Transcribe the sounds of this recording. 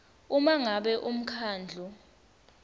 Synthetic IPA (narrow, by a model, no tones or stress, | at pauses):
umaŋaɓɛʔum̩kʰaːnd͡ɮʱɔ